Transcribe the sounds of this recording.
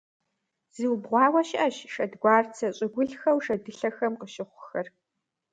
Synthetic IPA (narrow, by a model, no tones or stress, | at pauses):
z̥iwbʁʷɑːwɐʃʔɐʃʂɐdɡʷɑːrt͡sʰɐɕʼɪɡʷʊɬxɐwʂɐdɨɬɐxɐmqəʃɪχʷʊxɐr